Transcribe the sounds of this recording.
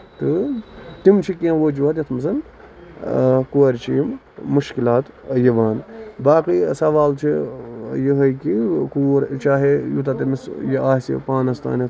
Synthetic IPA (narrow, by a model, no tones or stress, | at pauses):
t̪ɨt̪imt͡ʃʰikiɐ̃ʋod͡ʒuɐt̪jɐt̪ʰmɐzɐn | kuɐɾʲt͡ʃʰiimː | uʃkilaːt̪jɐʋaːnbaːqiːsɐʋaːlt͡ʃʰijiɦɐjkikuːɾt͡ʃaːɦejut̪at̪imisjiaːsḭpaːnɐst̪a̰ːnɐt̪ʰ